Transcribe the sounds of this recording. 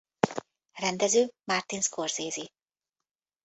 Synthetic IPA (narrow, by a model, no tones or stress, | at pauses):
rɛnd̪ɛzøːmart̪inskʰo̞rzeːzi